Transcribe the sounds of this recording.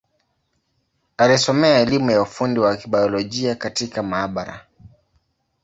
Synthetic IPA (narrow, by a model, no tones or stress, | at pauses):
alisɔmɛaɛlimujaufundiwakiɓajɔlɔʄiakatikamaːɓaɾa̰